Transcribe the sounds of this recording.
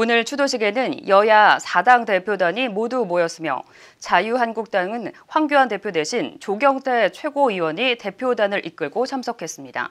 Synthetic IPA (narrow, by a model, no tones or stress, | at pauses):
onɯɭt͡ɕʰudoɕʰiɡe̞nɯnjʌjasʰadaŋte̞pʰjodaɲimodumojʌs͈ɯmjʌ̰ | t͡ɕajuɦanɡuk̚t͈aŋɯnɸwaŋɡjoɦante̞pʰjode̞ɕʰint͡ɕoɡjʌŋtʰe̞t͡ɕʰwe̞ɡoiwʌɲite̞pʰjodanɯɾʔik͈̚ɯɭɡot͡ɕʰamsʰʌkʰe̞s͈ɯmɲida̰